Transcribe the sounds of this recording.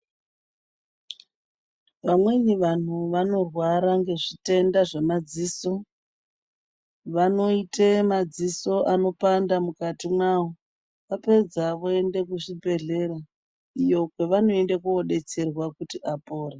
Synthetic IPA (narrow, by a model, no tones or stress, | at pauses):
ʋamwe̞ɲiʋan̤uʋano̞rwaɾaŋɡe̞ʐite̞ndaʐemad͡ziːso̞ | ʋano̞itemad͡ziso̞ʔano̞pandamukatimwawo | ʋape̞d͡zaʋoe̞nde̞kuʐibʱe̞ɮe̞ɾa | ijo̞kwe̞ʋano̞endekuoɗe̞t͡se̞rwakutiʔapoːre